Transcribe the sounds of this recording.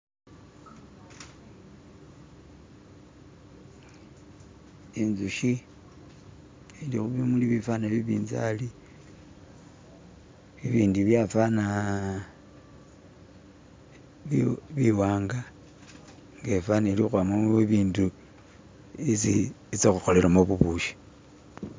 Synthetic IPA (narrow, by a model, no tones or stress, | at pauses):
inzuʃi | indixuβimuliβifanaβiβiːnza̰li | βiβiːndiβjafana | βiwaːŋɡa | ŋɡefanelixwamameβiːndu | esiit͡sexuxo̞lelamoβuβuʃi̥